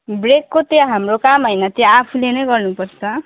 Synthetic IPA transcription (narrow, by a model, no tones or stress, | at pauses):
brekːot̪jãɦamrokamɦʌjnʌt̪jaːpʰulenʌjɡʌrnupʌrt͡sʰʌ